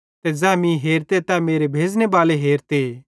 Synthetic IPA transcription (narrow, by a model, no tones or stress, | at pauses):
t̪ɛd͡ʒɛːmĩɦeːɾt̪et̪ɛmeːɾebʱeːd͡znebaːleɦeːɾt̪e